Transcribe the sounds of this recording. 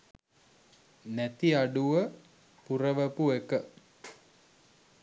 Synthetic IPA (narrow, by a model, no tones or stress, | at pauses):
næt̪iaɖuʋə | purəʋəpuekə